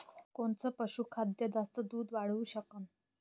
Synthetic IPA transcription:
koɳt͡səːpəɕuːkʰad̪jəd͡zast̪əd̪uːd̪ʋaɽ̤uːɕəkən

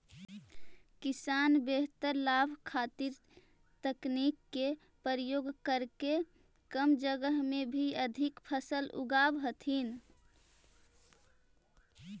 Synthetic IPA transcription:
kisanbeɦt̪əɾlabʱkʰat̪iɾ | t̪əknikːe | pəɾjoːɡkəɾke | kəmd͡ʒəɡəɦmẽbʱiəd̪ʱikpʰəsəlṵɡabɦət̪ʰɦin

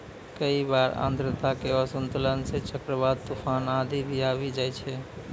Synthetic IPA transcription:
kəibaɾã̰nd̪ɾət̪akeɔsənt̪ulənset͡ʃəkɾəbad̪̚t̪ufʰanad̪ʱibʱiabid͡ʒajt͡ʃʰɛ

